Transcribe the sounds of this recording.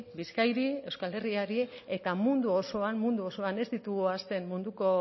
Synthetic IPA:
biskajɾie̞wskale̞riaɾie̞t̪amund̪uo̞so̞anmund̪uo̞so̞ane̞zd̪it̪uɣuast̪e̞nmmund̪uko̞

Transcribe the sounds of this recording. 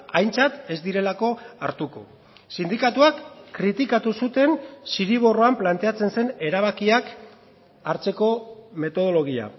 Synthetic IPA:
ajnt͡sat̪e̞zd̪iɾe̞lako̞aɾt̪uko̞̰ | sind̪ikat̪uakːɾit̪ikat̪usut̪e̞nsiɾiβ̞o̞ro̞amplant̪e̞at͡se̞nse̞ne̞ɾaβakiak | aɾt͡se̞ko̞me̞t̪o̞ð̞o̞lo̞ɣ̞ia̰

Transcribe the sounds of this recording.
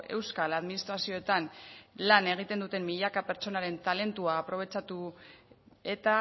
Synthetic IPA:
e̞̰wskalaðminist̪ɾasio̞et̪anlane̞ɣ̞it̪e̞nd̪ut̪e̞mmiʎakape̞ɾt͡ʃo̞naɾe̞nt̪ale̞nt̪uaːpɾo̞β̞e̞t͡ʃat̪u | e̞t̪a

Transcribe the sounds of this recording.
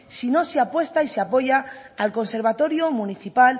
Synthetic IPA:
sino̞seapwe̞st̪aiseapo̞ʝaalko̞nse̞ɾβ̞at̪o̞ɾjomuniθipal

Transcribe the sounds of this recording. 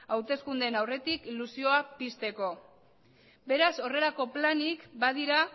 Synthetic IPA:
awt̪e̞skund̪enawre̞t̪ikilusio̞apist̪e̞ko̞ | be̞ɾaso̞re̞lako̞planikbað̞iɾa

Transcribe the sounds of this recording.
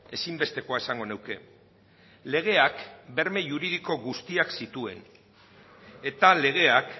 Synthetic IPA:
e̞simbe̞st̪e̞ko̞aesaŋɡo̞newke̞ | le̞ɣ̞e̞akbe̞ɾme̞ʝuɾið̞iko̞ɣust̪iaksit̪ue̞̰n | e̞t̪ale̞ɣ̞e̞ak

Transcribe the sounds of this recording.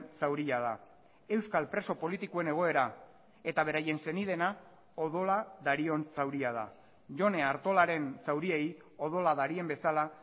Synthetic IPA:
sawɾiað̞a | e̞wskalpɾe̞so̞po̞lit̪ikoe̞ne̞ɣ̞o̞eɾa | e̞t̪aβ̞e̞ɾaje̞nse̞nið̞e̞na | oð̞o̞laðaɾio̞nsawɾiað̞a̰ | ʝo̞ne̞aɾt̪o̞laɾe̞nsawɾiej | o̞ð̞o̞laðaɾie̞mbe̞sala

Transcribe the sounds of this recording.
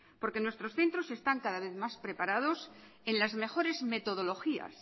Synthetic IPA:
po̞ɾke̞nwe̞st̪ɾo̞sθe̞nt̪ɾo̞se̞st̪aŋkaðaβe̞θmaspɾe̞paɾað̞o̞s | e̞nlazme̞xo̞ɾe̞zme̞t̪o̞ð̞o̞lo̞xia̰s

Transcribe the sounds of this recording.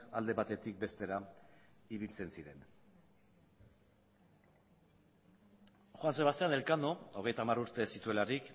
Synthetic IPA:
ald̪e̞βat̪e̞t̪ik̚be̞st̪e̞ɾa | iβilt͡se̞nsiɾe̞n | xwanseβast̪e̞ane̞lkand̪o̞o̞ɣ̞e̞jt̪aːmaɾuɾt̪e̞sit̪ue̞laɾik

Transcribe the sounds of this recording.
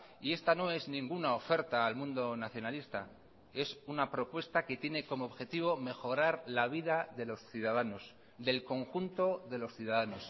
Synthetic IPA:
ie̞st̪ano̞e̞znĩŋɡunao̞fe̞ɾt̪aːlmũnd̪o̞naθjo̞nalist̪a | e̞sunapɾo̞pwe̞st̪ake̞t̪je̞ne̞ko̞moːβxe̞t̪iβ̞o̞me̞xo̞ɾaɾlaβ̞iðaðe̞lo̞sθjuðaðano̞s | ðe̞lko̞ŋxunt̪o̞ðe̞lo̞sθjuðaðano̞s

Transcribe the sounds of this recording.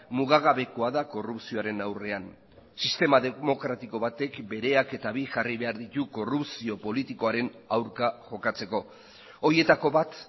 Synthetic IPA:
muɣaɣaβe̞ko̞aðako̞rupsio̞aɾe̞nawre̞an | sist̪e̞maðemo̞kɾat̪iko̞βat̪e̞kbe̞ɾe̞ake̞t̪aβiʝariβe̞aɾðit̪uko̞rupsio̞po̞lit̪iko̞aɾe̞nawɾkaʝo̞kat͡se̞ko̞ | oɾie̞t̪ako̞βat̪

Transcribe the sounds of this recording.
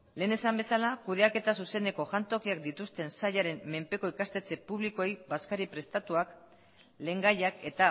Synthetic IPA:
le̞ːne̞sambe̞salakuð̞e̞ake̞t̪asuse̞ne̞ko̞ʝant̪o̞kiakd̪it̪ust̪e̞nsajaɾe̞mːe̞mpe̞ko̞ikast̪e̞t͡se̞puβ̞liko̞ejbaskaɾipɾe̞st̪at̪uak | le̞ːŋɡajake̞t̪a

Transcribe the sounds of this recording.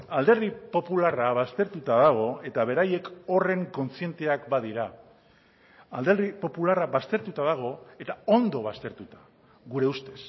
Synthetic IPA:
ald̪e̞ripo̞pularaβast̪e̞ɾt̪ut̪aðaɣ̞o̞e̞t̪aβ̞e̞ɾaje̞ko̞re̞ŋko̞nt͡sie̞nt̪e̞akbað̞iɾa | ld̪e̞ripo̞pularaβast̪e̞ɾt̪ut̪aðaɣ̞o̞e̞t̪ao̞nd̪o̞βast̪e̞ɾt̪ut̪ḁ | ɣuɾe̞ust̪e̞s

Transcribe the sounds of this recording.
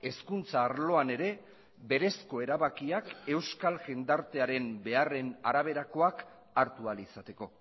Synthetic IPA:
e̞skunt͡saːɾlo̞ane̞ɾe̞ | be̞ɾe̞sko̞e̞ɾaβakiake̞wskalʝend̪aɾt̪e̞aɾe̞mbe̞are̞naɾaβ̞e̞ɾako̞ak | aɾt̪ualisat̪e̞ko̞

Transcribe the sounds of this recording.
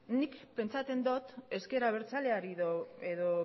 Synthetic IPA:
nikpe̞nt͡sat͡s̪e̞nd̪ot̪e̞ske̞ɾaβ̞e̞ɾt͡sale̞aɾiðoeðo

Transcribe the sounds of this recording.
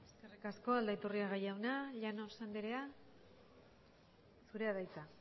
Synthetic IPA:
eske̞rikasko̞ald̪ait̪uriaɣ̞ajawnaʎano̞sand̪eɾe̞a | suɾe̞aðajt͡sa

